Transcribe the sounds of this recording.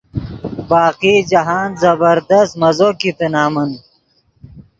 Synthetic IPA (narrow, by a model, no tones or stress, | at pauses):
baːqiːd͡ʑɐɦaːnzɐbɐɾd̪ɐst̪mɐzoːkit̪enaːmɐn